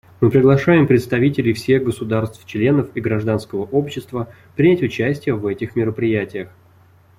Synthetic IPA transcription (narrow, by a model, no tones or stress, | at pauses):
mɨpɾʲɪɡlˠɐʂajɪmpɾʲɪt̪st̪ɐvʲitʲɪlʲɪjfsʲe̞ɣɡəsʊd̪arst̪ft͡ɕlʲe̞nəfiɡɾɐʐd̪an̪skəvəʔo̞pɕːɪst̪və | pɾʲɪnʲætʲʊt͡ɕæsʲtʲɪjəvɛtʲɪxmʲɪɾəpɾʲɪjætʲɪjəx